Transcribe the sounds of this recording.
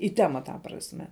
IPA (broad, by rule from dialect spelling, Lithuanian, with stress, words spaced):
iː ˈtʲæːmɐ tɐ prɐsʲˈmʲɛ